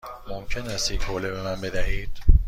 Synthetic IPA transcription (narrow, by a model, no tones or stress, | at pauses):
momcʰe̞næst̪jecʰhoːlebe̞mænbe̞d̪æhiːd̪̥